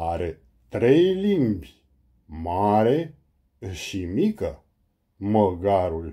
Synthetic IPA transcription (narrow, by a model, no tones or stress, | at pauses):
aɾe | t̪ɾejlimbʲ | maɾe | ʃimikə | məɡaɾul